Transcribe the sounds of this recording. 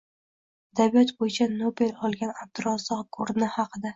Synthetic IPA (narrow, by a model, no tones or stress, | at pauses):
ad̪abijɒt̪bojɪt͡ʃʰanobe̞lɒlˠɡʲanab̚t̪ʊɾɒsɒkʰoɾnahɑqʰɨd̪a